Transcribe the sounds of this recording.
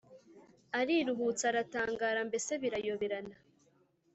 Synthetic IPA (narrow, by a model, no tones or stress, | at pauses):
aɾiɾuɦut͡saɾataːŋɡaːɾambe̞se̞βiɾajo̞βeɾana